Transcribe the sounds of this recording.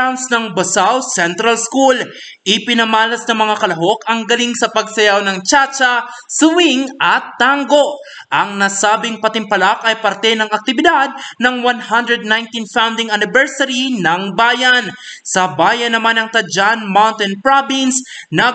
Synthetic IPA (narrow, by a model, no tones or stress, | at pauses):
awnsnɐŋbɐsawsɛnt̪ɾɐlskul | ʔɪpɪnɐmaːlɐsnɐŋmɐŋakɐlɐɦo̞kɐŋɡɐliŋsɐpɐɡ̚sɐjawnɐŋt͡ʃat͡ʃɐ | sʊwiŋɐt̪ːaŋɡo̞ʔ | ʔɐŋnasaːbɪŋpɐt̪ɪmpɐlakɐjpɐɾt̪ɛnɐŋɐk̚t̪ɪbɪd̪ad̪̚nɐŋwanhand̪ɾɛd̪̚najnt̪infawnd̪ɪŋɐnɪbɛɹsɐɾinɐŋbaːjɐnsɐbaːjɐnːɐmanɐŋt̪ɐd͡ʒanmawnt̪ɛnpɹabɪnsnɐ